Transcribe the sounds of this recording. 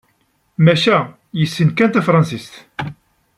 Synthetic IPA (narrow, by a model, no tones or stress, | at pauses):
mæʃæ | jəsːənkænt̪æfɾˤɑnsist̪